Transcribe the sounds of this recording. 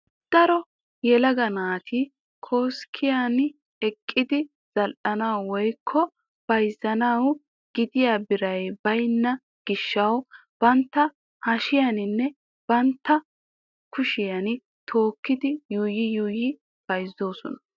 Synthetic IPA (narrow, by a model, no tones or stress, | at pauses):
d̪̥ɐɾɔ | jɛlɐɡɐnaːt̪ʰɪ | kʰoːskʰːɪjan | ɛkʼːɪd̪ɪ | z̥ɐlʔɐnɐwwɔjkʰːɔ | b̥ɐjzːɐnɐw | ɡ̥ɪd̪ɪjaːbɪɾɐjbɐjnːɐ | ɡ̥ɪʃːɐw | b̥ɐnt̪ːɐ | hɐʃɪjɐnɪnːɛ | b̥ɐnt̪ːɐ | kʰʊʃɪjɐnɪ | t̪ʰo̞ːkːɪd̪ɪjuːjɪjuːjɪ | b̥ɐjzːo̞ːsɔ̰nɐ̥